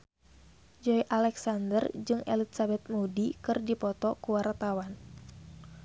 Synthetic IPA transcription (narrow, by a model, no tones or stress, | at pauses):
d͡ʒɔjʔalɛksandərd͡ʒɨŋɛ̰litsabɛt̪̚mudikɨrdipɔt̪ɔkuwart̪awan